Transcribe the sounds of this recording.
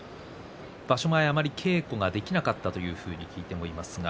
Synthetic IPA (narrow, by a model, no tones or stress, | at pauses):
b̥aɕo̞maeamaɾʲikʰe̞ːko̞ɡad̪e̞kʲinakat̪ːat̪o̞jɯ̟ːɸɯ̟ːɲ̟ikʲiːt̪e̞mo̞imasɨɡa